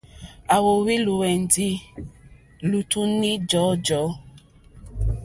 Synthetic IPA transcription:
a˨wo˨wi˦lu˨wɛ˨n˨di˦ | lu˨tu˦ni˦d͡ʒɔ˨˦d͡ʒɔ˨˦

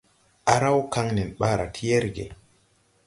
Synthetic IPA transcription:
ʔa˨ɾa˦wka˦ŋnɛ˨nɓa˦ɾa̰˨tʰi˦je˦ɾɡḛ˨

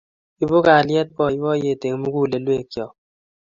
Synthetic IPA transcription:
i˦bo˦ka˨ljɛ˦t̚kɔ˦˨i˦bɔ˦je˦˨te˨ŋ˦mu˦ɡu˦˨le˨lwe˦˨kjɔ˨

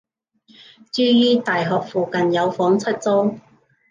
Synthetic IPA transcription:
t͡syː˥jiː˥t̪aː˨jɦɔː˨k̚fuː˨˩kɐ˨njɐ˨˧wfɔː˨˥ŋt͡sʰɐ˥t̚t͡so˥w

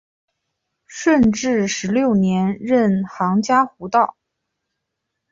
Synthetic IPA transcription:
ʂwə˥˧nʈ͡ʂɻ̩˥˩ʂɻ̩˧˥ljo˥˩ʊnjɛ˧˥nɻə˥˧nxɑ˧˥ŋt͡ɕja˥xu˧˥t̪ɑ˥˩ʊ

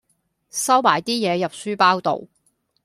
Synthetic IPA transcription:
sɐ˥wmaː˨˩jt̪iː˥jɛː˨˧jɐ˨p̚syː˥paː˥wt̪o̰˨w

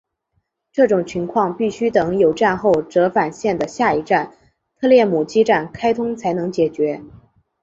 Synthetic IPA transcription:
ʈ͡ʂɤ˥˩ʈ͡ʂʊ˨˩ŋt͡ɕʰi˧˥ŋkʰwɑ˥˧ŋpi˥˩ɕy˥t̪ɤ˧˥ŋjo˨˩ʊʈ͡ʂa˥˧nxo˥˩ʊʈ͡ʂɤ˧˥fa˨˩nɕjɛ˥˩nd̪ə˩ɕja˥˩i˧˥ʈ͡ʂa˥˩n | t̪ʰɤ˥˧ljɛ˥˩mu˨˩t͡ɕi˥ʈ͡ʂa˥˩nkʰa˥ɪt̪ʰʊ˥ŋt͡sʰa˧˥ɪnɤ˧˥ŋt͡ɕjɛ˨˩t͡ɕɥɛ˧˥

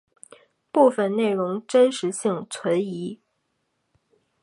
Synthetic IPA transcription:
pu˥˩fə˨˩nne˥˩ɪɻʊ˧˥ŋʈ͡ʂə˥nʂɻ̩˧˥ɕi˥˩ŋt͡sʰwə˧˥ni˧˥

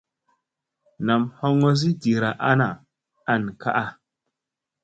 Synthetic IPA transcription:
na˨mho˦ŋo˦s̬i˦di˨ɾa˨ʔa˦na˨ | a˨n˨ka˦ʔa˦

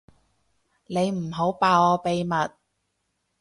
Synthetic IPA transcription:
ne˨˧jm̩˨˩ɦo˨˥wpaː˨˧ɔː˨˧pe˨jmɐ˨t̚

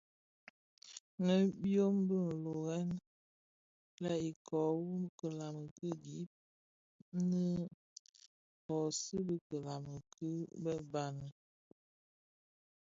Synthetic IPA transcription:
nə˦bjo˦mbə˦n̩˨lo˨ɣɛ˦n | la˦i˨kʰɔ˨wu˦kə˨la˨mə˨kə˦di˨˦p̚ | nə˦ | kɔ˨sə˦bə˦kə˨la˨mə˨kʰə˦bə˦ba˦nə˨

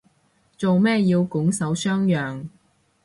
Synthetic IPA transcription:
t͡so˨wmɛː˥jiː˧wkʊ˨˥ŋsɐ˨˥wsœː˥ŋjœː˨ŋ

